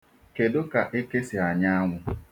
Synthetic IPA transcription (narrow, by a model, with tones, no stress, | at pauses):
ke˨dʊ˦ka˨ʔe˦ke˦sɪ˨a˨ɲa˦a˦ŋʷʊ˦